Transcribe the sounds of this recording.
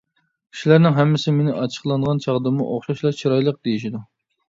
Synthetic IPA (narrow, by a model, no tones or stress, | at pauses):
kʰi̥ʃlæɾnɪŋɦɛmːɪsɪmenɪʔɑt͡ʃʰə̥χlˠɑɴʁɑnt͡ʃʰɑʁd̪ɨmṵʔoχʃɑʃlˠɑt͡ʃʰiɾɑjlˠəq̚d̪ejiʃ̬id̪u